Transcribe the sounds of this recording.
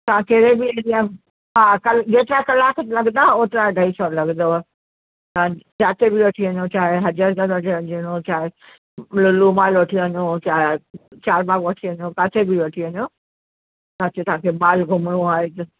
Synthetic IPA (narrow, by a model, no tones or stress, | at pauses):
t̪ɐʋ̤ãkeːɾebiɾijã | ɦaːkɐld͡ʑeːt̪ɾakɐlaːk̪ʰlɐɡd̪aoːt̪ɾaɖʱaisɔlɐɡnd̪o | t̪ɐãzaːt̪ebɪʋɐʈʰiɐɲot͡ɕaːɦeɦɐd͡ʑaɾzad̪ʋɐʈʰiəɲiəɲot͡ɕaːɦe | lʊluːmaːlʋɐʈʰiɐɲot͡ɕaːɦet͡ɕaːɾbaːɡʋɐʈʰiɐɲokaːt̪ʰebiʋɐʈʰiɐɲo | saːt͡ɕet̪ɐʋãkʰebaːlɡʱʊmɽũaːɦet̪ɐ